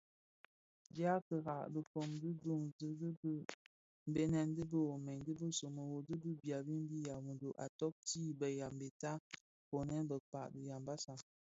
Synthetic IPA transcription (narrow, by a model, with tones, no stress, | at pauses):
d͡ʒa˦kə˨ɣa˨ʔdə˨fo˨mdɨ˦du˦˨ŋzə˦b | m̩˨be˦nɛ˨n˦də˦bə˦wo˨mɛ˨ɲdə˦bə˦so˨mə˨wo˨dɨ˦bə˦bja˨bi˦m˦bi˦ja˨wu˨ndo˨ʔa˨tɔ˦k̚tiː˦˨bə˨ja˨mbe˨ta˦ | po˨nɛ˦nbə˨pa˨ʔdə˨ja˨mba˦sa˨